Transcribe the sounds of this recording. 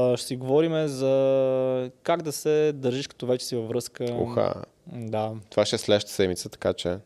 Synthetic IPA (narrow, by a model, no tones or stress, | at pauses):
ʃsiɡovɔɾimɛzɐ | kaɡd̪ɐsɛd̪əɾʒiʃkɐ̥t̪ɔvɛt͡ʃɛ̥sivɐvɾɤskəṵxa̰ | d̪at̪ovaʃɛslɛʃt̪ə̥sɛd̪mit̪sət̪ɐ̥kat͡ʃɛ